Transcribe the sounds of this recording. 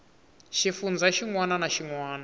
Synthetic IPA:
ʃifund͡zaʃiŋwananaʃiŋwaːna

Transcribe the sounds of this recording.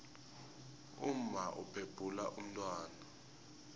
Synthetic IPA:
um̩maʔupʰeb̥ʱulaʔum̩tʼwaːna

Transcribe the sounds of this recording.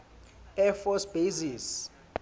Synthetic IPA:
ɛfɔsb̥ezis

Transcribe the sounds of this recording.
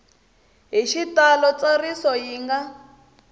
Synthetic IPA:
ɦiʃitalɔt͡sarisɔjiːŋɡa

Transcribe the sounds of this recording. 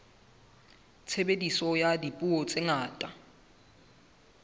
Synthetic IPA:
t͡sʰɛbedisɔjadipʼuɔt͡sʼɪŋaːtʼa

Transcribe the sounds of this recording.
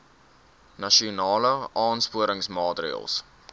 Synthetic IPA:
nɐʃiunɑːləɑːnspuəɾəŋsmɑːtrḭə̰lˠs

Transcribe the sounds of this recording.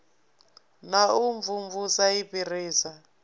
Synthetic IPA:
nauɱvuɱvusaipiriːsa

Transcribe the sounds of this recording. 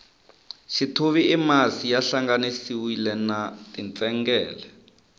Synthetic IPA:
ʃitʰuβiʔːmasijaɬaŋɡanisiwilɛnatʼint͡sʼɛŋɡɛːlɛ

